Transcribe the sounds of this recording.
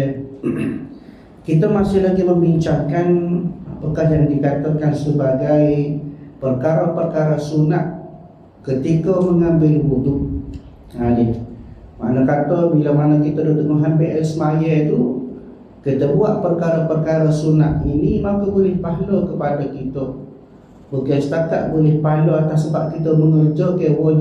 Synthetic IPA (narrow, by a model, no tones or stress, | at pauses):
kit̪əmasɪhlaɡiməmbiɲt͡ʃakanapəkahɦjaŋdikat̪əkansəbaɡajpərkaɾapərkaɾasunat̪̚ | kət̪ikəməŋambɪlbudʊʔ | anɪhma̰ʔnakat̪ɔbilamanakit̪ədot̪əŋuɦanbeʔɛlsəmajɛt̪u | kit̪əbuaʔpərkaɾapərkaɾasunat̪̚inimakubulɪhpaɦlokəpadakit̪ə | bokast̪at̪a̰ʔbulɪhpaɦloat̪asəbap̚kit̪əməŋərd͡ʒɔkəwɔ